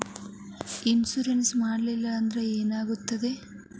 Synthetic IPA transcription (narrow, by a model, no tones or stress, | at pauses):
insuɾensmaːɽlilːɐːnd̪ɐɾeeːnaːɡut̪ːɐd̪e̞